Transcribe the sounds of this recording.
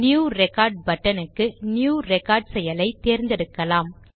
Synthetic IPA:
nɪjuːɾɛkaːɾɖ̚bɐʈːɐnɯkːɯnɪjuːɾɛkaːɾɖsɛjɐlɐɪt̪ːeːɾnd̪ɛɽɯkːɐlaːm

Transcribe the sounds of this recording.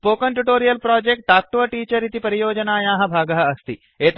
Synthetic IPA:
poːkɐɳʈuʈoːɾijɐlpɾaːd͡ʒek̚ʈ̚ʈaːk̚ʈuʋɐʈiːt͡ʃɐɾit̪ipɐɾijoːd͡ʒɐnaːjaːɦɐ̆bʱaːɡɐɦɐɐst̪i | eːt̪

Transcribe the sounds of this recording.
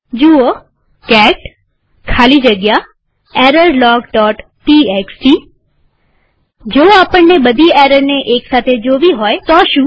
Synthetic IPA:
d͡ʒuo | kɛʈ | kʰaːlid͡ʒəɡja | eɾəɾlɔːɡɖɔːʈːieksi | d͡ʒoaːpəɳneɓəd̪ʱieɾəɾneʔeːksaːt̪ʰed͡ʒoʋiɦoet̪ɔʃũː

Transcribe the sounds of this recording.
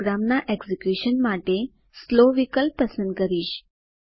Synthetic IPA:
ɡɾamnaʔeksikjuɕənmaʈe | sloʋikəlpːəsəɳ̚kəɾiːɕ

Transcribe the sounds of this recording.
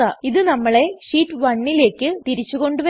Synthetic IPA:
aːiðɨnɐmːɐɭe̞ʂiːʈːʋɐɳːile̞ːkːɨt̪iɾit͡ɕːuɣo̞ɳɖuʋɐ

